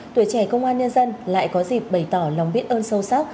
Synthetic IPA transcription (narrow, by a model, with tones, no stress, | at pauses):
t̪i˨˧˩ət͡ɕɛ˧˩kə˧wŋ͡mʔaː˧nɲə˧nzə˧nla̰ː˧˨jkɔ˨˦zi˨˩p̚ɓə˧˩jt̪ɔ˧˩lə˨˩wŋ͡mɓi˦˥t̚ʔəː˧nsə˧wsa˦˥k͡p̚